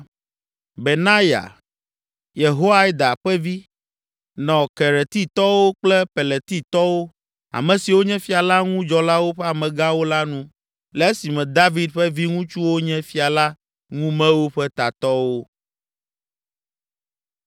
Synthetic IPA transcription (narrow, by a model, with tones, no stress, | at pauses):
be˨nã˦ja̰˨ | je˨ɦo˦a˦i˦d̪a˨ɸɛ˦vi˦ | nɔ̃˨kɛ˨ɾɛ˨t̪i˦t̪ɔ˦wo˦k͡plɛ˦pe˨le˨t̪i˦t̪ɔ˦wo˦ | a̰˨mɛ̃˨si˨wo˦ɲɛ̃˦fi˦a˨la˦ŋũ˦d͡ʒɔ˨la˦wo˦ɸɛ˦a˨mɛ̃˨ɡã˦wo˦la˦nũ˦ | lɛ˨e˦si˨mɛ̃˨d̪a˦vi˦d̪̚ɸɛ˦vi˦ŋũ˦t͡ʃu˦wo˦ɲɛ̃˦fi˦a˨la˦ | ŋũ˦mɛ̃˦wo˦ɸɛ˦t̪a˨t̪ɔ˦wo˦